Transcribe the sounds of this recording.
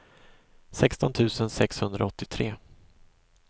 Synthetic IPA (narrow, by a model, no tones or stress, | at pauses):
sɛkst̪ɔnt̪ʰʉ̟ːsənsɛkshɵnd̪ɾa̰ɔt̪ːɪt̪ʰɾeː